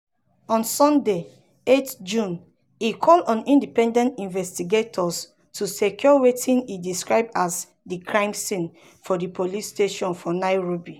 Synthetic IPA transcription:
ɔ̃nsɔ̃nde | etd͡ʒũn | ikʰɔlɔ̃nĩndipɛ̃ndɛ̃ntĩnvɛstiɡetʰɔs | tʰusekʰjɔwetʰĩnidiskɹaɪb̚az | dikʰɹãɪ̃msĩn | fɔdipʰolisteʃɔ̃nfɔnaɪɹobi

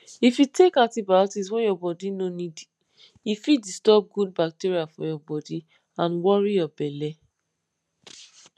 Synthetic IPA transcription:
ifitʰekãtibatis̬wɛ̃jɔbɔdinõnĩdi | ifidistɔb̚ɡud̚bak̚tiɾiafɔ̰jɔbɔdi | ãnwɔɹijɔbɛlɛ

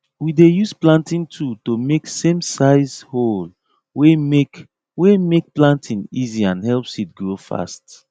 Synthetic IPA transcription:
widejusplãntĩntʰutomeksẽmsaɪzhol | wemek | wemek̚plãntʰĩniziãnɦɛlpsit̚ɡɹofa̰st

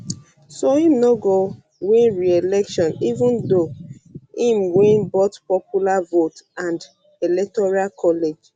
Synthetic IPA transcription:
soĩmnoɡo | wĩnɹielɛkʃɔ̃nivũndo | ĩmwĩnbotpɔpjulavotãnd | elɛk̚tɔɹalkʰɔled͡ʒ

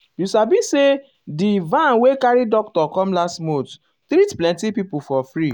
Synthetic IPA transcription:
jusabĩse | divãnwekaɾidɔktɔkɔ̃mlastmot | t̪ɾitplɛ̃ntipipufɔfɹi

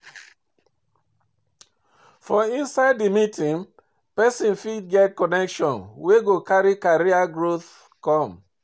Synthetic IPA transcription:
fɔĩnsaɪdimitĩŋ | pɛsĩnfid̚ɡɛt̚kɔnɛkʃɔ̃nweɡokaɹikaɹiaɡɹoθ | kɔ̃m

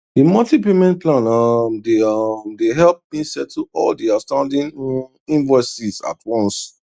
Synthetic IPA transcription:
dimɔltipemɛ̃nplãnamdeʌmdeɦɛlp̚mĩsɛtʰɔ̰ldiastãʊ̃ndĩn | ĩnvɔsiza̰tʰwɔ̃ns

